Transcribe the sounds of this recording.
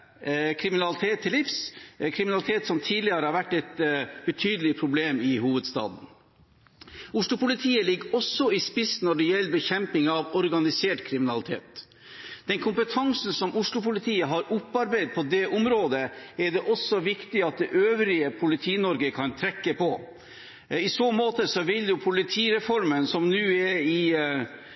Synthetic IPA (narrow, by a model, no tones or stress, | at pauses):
kʰɾɪmɪnɑlɪt̪ʰeːt̪ʰːɪlːɪfskʰɾɪmɪnɑlɪt̪ʰeːt̪sɔmt̪ʰiːd̪lɪəɾəhɑɾʋæʈːɛt̪b̥ət̪ʰyːd̪əlɪpʰɾʊbleːmɪhuːʋəd̪st̪ɑ̰ːd̪n̩ | ʊʂɭʊpʊlɪt̪ʰiːəlɪɡːɔsːɔɪspɪsnɔɖɛjɛlːbəçɛmpɪŋɑʋɔɾɡɑnɪseːʈkʰɾɪmɪnɑlɪt̪ʰeːt̪ | d̪̥ɛnkʰʊmpət̪ʰɑŋsn̩sɔmʔʊʂɭʊpʊlɪt̪ʰiːəɦɑɾʊpːɑɾbæɪd̪̚pʰɔd̪ɛʔʊmɾoːd̪əɛɖɛʔɔsːɔʋɪkt̪ɪɑt̪̚d̪ɛʔøːʋɾɪəpʰʊlɪt̪ʰiːnɔɾɡəkʰɑnt̪ʰɾɛkːəpɔ | ɪsoːmoːt̪əsɔʋɪljʊpʰʊlɪt̪ʰiːɾɛfɔɾmənsɔmnʉːɛɾɪ